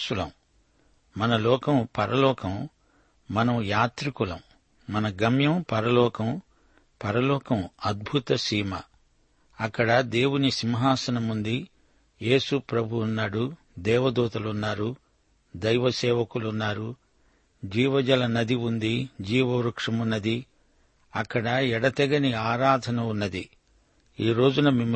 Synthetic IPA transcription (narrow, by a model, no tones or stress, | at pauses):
ulɐm | mɐnɐlɔːkɐmpɐɾɐlɔːkɐm | mɐnɐmjaːt̪ɾikulɐm | mːɐnɐɡɐmjɐmpɐɾɐlɔːkɐm | pɐɾɐlɔːkɐmɐd̪̚bʱut̪ɐsiːmɐ̰ | ɐkːɐɽɐd̪e̞ːwunisimɦaːsɐnɐmund̪i | je̞ːsupɾɐbʱuunːaːɽu | d̪ɛːʋɐd̪uːt̪ɐlunːaːɾu | d̪ɐjʋɐsɛːʋɐkulunːaːɾu | d͡ʒiːʋɐd͡ʒɐlɐnɐd̪ʱiund̪id͡ʒiːʋɐɾukʂɐmunːɐd̪i | ɐkːɐɽɐɛɽɐt̪ɛɡɐniaːɾaːd̪ʱɐnɐunːɐd̪i | iːɾo̞ːd͡ʒunɐmim